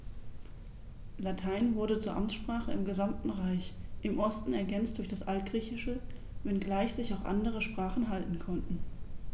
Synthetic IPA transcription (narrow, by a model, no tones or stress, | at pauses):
latʰaɪnvʊɐɾət͡suːɐʔamt͡sʃpʁ̥aːχəɪmɡəzamtn̩ʁaɪçʔɪmʔɔstn̩ɛɐɡɛnt͡st̚d̥ʊɐçd̥asʔalt̚ɡ̥ʁiːçɪʃə | vɛnɡlaɪçz̥ɪçaʊxʔa̰ndəʁ̞əʃpʁ̥aːχn̩ɦaltn̩kʰɔntn̩